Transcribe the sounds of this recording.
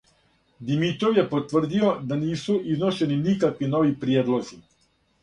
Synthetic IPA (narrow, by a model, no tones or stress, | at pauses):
d̪imit̪ɾoʋjepot̪ʋr̩d̪io̞d̪aniːsuʔizno̞ʃe̞ninikakʋino̞ʋipɾijeːd̪lo̞zi